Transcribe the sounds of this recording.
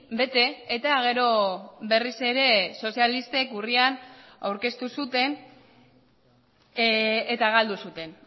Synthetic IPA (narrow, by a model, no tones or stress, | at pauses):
be̞t̪e̞ːt̪aɣe̞ɾo̞βe̞rise̞ɾe̞so̞sijalist̪e̞kuriana̰wɾke̞st̪usut̪e̞n | t̪aɣald̪usut̪e̞n